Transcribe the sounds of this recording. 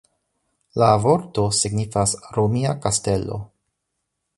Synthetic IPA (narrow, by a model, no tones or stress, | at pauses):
lavo̞ɾto̞siɡnifasɾomiakaste̞lo̞̰